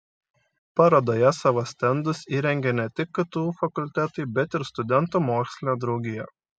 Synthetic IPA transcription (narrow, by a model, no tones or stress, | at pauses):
pɑɾoːd̪oːjɛsɑʋɐsʲt̪ʲɛnd̪ʊsiːɾʲɛŋʲɡʲɛnʲɛt̪ʲɪkːɐt̪uːfɐkʊlʲt̪ʲæt̪ʊɪbʲɛt̪ɪɾst̪ʊd̪ʲɛnˑt̪uːmoːksʲlʲɪnʲoːd̪ɾɒʊɡʲɪjɛ